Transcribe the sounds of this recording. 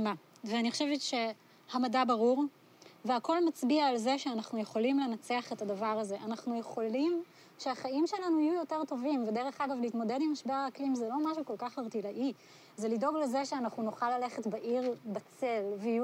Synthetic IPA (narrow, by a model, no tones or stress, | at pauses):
ma | veaniχoʃevetʃe̞ | hamadabaʁuʁ | veako̞lmat͡sbiaːlzeʃeanaχnujeχo̞limle̞nat͡seaχetadavaʁaze̞ʔanaχnuje̞χo̞lim | ʃeaχaimʃe̞lanuajujo̞te̞ʁto̞vimvedeʁe̞χaɡavlihitmo̞dedimaʃbe̞ʁaːklimzelo̞maʃ̬uko̞lkaχaʁtilaʔi | zelido̞ɡleze̞ʃeanaχnunuχalːale̞χetbaʔiʁbat͡selveiu